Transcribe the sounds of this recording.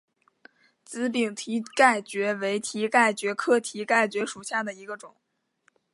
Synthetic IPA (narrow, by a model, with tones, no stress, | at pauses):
t͡sɹ̩˧˥pi˨˩ŋt̪ʰi˧˥ka˥˩ɪt͡ɕɥɛ˧˥we˧˥ɪt̪ʰi˧˥ka˥˩ɪt͡ɕɥɛ˧˥kʰɤ˥˩t̪ʰi˧˥ka˥˩ɪt͡ɕɥɛ˧˥ʂu˨˩ɕja˥˩d̪ə˩i˧˥ɡə˧ʈ͡ʂʊ˨˩˦ŋ